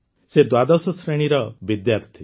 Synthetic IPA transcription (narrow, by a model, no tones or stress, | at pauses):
sed̪wad̪ɔsɔsɾeɽ̃iɾɔbid̪jaɾt̪ʰi